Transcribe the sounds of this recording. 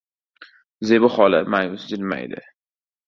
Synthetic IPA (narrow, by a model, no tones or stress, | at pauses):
zebʊχɒla̰majʊsd͡ʒɪlma̰jd̪ɪ̰